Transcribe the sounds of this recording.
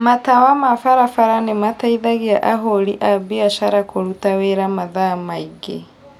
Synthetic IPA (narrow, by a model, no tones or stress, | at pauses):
matawamafaɾafaɾanemataiðaɣiaʔaɦoɾiʔabiaʃaɾakoɾutaweɾamaðamaiɡḛ